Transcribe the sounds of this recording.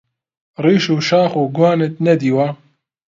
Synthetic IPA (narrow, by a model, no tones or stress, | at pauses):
riːʃuːʃaːxuːɡwaːnet̪̚nɛd̪iːwaː